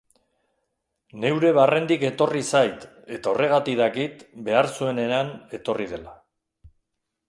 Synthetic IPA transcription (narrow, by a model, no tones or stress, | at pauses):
ne̞wɾe̞β̞are̞nd̪ike̞t̪o̞risajt̪ | e̞t̪ao̞rʔe̞ɣ̞at̪iðakit̪be̞aɾsue̞ne̞ane̞t̪o̞rið̞e̞la